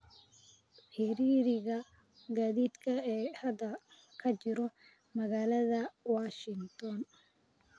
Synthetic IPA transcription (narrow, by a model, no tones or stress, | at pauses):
ħɪɾiːɾɪɣɐ | ɡaːðiːd̪kʰɐɛːhɐd̪ɐ | kʰɐt͡ʃɪɾɔ | mɐɣaːlɐðɐwaːʃɪnt̪ʰɔn